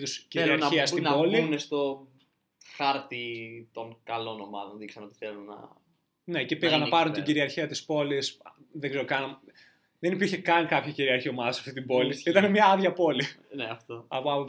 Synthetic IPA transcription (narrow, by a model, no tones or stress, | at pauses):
ðusciɾeilɐɾɐiɐst̪inbo̞linest̪o̞ | xɐɾt̪it̪o̞ŋkɐlo̞no̞mɐ̰ðonðiksɐno̞t̪i̥θelunːɐ̰ | necepiɣɐnɐpɐɾunt̪iɟiɾiɐɾçiɐt̪ispo̞lis | ðeɡzeɾokɐn | ðenipiɾçekɐnkɐpçɐciɾiɐɾçiomɐðɐsɐft̪it̪ibo̞lieit̪ɐnemɲɐɐðʝɐpo̞lineɐft̪oɐpoɐo